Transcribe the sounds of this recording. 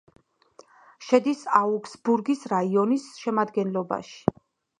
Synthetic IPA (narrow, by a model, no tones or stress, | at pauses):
ʃɛd̪isauksbuɾɡisɾaiɔnisʃɛmad̪ɡɛnlˠɔba̰ʃi̥